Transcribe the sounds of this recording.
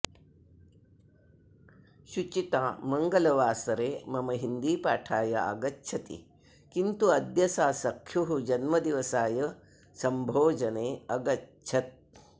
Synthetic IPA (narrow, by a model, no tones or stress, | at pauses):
ʃut͡ʃit̪aːmɐŋɡɐlɐʋaːsɐɾeːmɐmɐɦind̪iːpaːʈʰaːjɐ̰ʔɐ̰ɡɐtːʃʰɐt̪ḭ | kint̪uɐd̪jɐsaːsɐkʰjuɦud͡ʒɐnmɐd̪iʋɐsaːjɐ | sɐmbʱoːd͡ʒɐneːɐɡɐtːt͡ʃʰɐt̪̚